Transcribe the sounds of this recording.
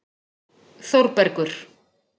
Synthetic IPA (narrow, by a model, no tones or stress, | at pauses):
θowɾpɛɾkʏɾ̥